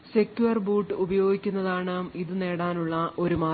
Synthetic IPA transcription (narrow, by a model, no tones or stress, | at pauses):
sekʲjuɐrbuːʈːɨubɐjo̞ːɡikʲːunːɐðaːɳɨiðɨne̞ːɽaːnuɭːɐʔo̞ɾumaː